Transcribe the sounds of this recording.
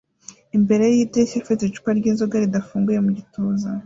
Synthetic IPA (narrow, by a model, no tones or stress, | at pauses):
imbe̞ɾe̞jjitesafitet͡ʃu̥paɾɟiːnzoɡaɾidafuːŋɡuje̞muɟitʰoːza